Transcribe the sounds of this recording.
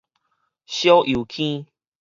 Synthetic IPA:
ɕjo˦ʔu˨˩kʰĩ˦

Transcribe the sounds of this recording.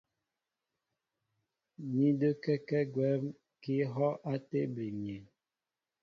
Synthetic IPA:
ɲi˦də˦kɛ˦kɛ˦ɡwɛ˦m | ki˦ɦɔ˦ʔa˦te˦bi˨ɲ˨e˨

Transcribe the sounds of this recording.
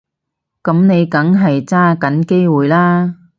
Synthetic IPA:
kɐ˨˥mne˨˧jkɐ˨˥ŋɦɐ˨jt͡saː˥kɐ˨˥nke˥jwuː˨˩jlaː˥

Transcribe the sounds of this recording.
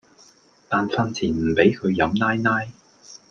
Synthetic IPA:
t̪aː˨nfaː˧nt͡sʰiː˨˩nm̩˨˩pe˨˥jkʰɵ˨˧ɥjɐ˨˧mnaː˥jnaː˥j

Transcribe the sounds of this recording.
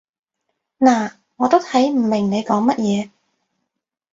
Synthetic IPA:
naː˨˩ | ŋɔː˨˧t̪o˥wt̪ʰɐ˨˥jm̩˨˩mɪ˨˩ŋne˨˧jkɔː˨˥ŋmɐ˥t̚jɛː˨˧

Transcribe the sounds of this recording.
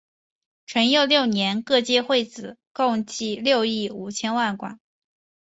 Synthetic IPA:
ʈ͡ʂʰwə˧˥njo˥˧ʊljo˥˩ʊnjɛ˧˥nkɤ˥˧t͡ɕjɛ˥˧xwe˥˩ɪt͡sɹ̩˨˩˦ko˥˧ŋt͡ɕi˥˧ljo˥˧ʊi˥˩u˨˩t͡ɕʰjɛ˥nwa˥˩nkwa̰˨˩˦

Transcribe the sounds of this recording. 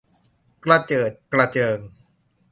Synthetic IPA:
kla˧t͡ɕɤː˨˩t̪̚kla˧t͡ɕɤː˧ŋ

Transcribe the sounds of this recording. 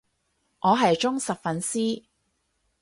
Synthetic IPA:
ŋɔː˨˧ɦɐ˨jt͡ʃʊ˥ŋsɐ˨p̚fɐ˨nsiː˥

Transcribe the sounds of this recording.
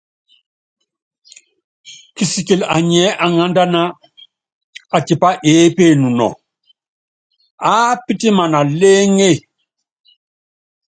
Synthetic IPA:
ki˨si˨ki˨la̰˨ɲɛ˨˦ʔa˨ŋa˦nda˦na˦ | a˨ti˨pa˦ʔeː˨˦pe˦˨nu˨nɔ̰˨ | a˦pi˦ti˦ma˨na˨le˦ŋe˦˨

